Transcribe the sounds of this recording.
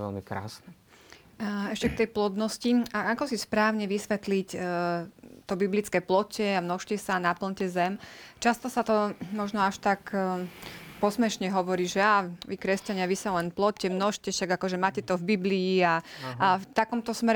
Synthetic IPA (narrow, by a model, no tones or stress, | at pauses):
ɛ̰lmikɾa̰ːsnɛ | ɛʃcɛk̚t̪ɛjplɔd̪nɔsciaakɔsispɾaːʊɲɛʋisʋɛt̪lic | t̪ɔbiblit͡skɛːplɔcʰɛamnɔʃcɛsanapl̩ɲcɛzɛmt͡ʃast̪ɔsat̪ɔmɔʒnɔaʃt̪ak | pɔsmɛʃɲɛɦɔʋɔɾiːʒɛaːʋikɾɛscaɲɪaʋisalɛnplɔcɛmnɔʃcɛʃaɡakɔʒɛmaːcɛt̪ɔvbibliːaaft̪akɔmt̪ɔsmɛɾ